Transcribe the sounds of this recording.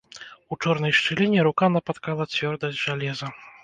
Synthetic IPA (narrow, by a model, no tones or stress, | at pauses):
ut͡ʂɔrnɐjʂt͡ʂɨlʲinʲɛɾukanɐpat̪kalˠɐt͡sʲvʲɔrd̪ɐzʲʐalʲɛzɐ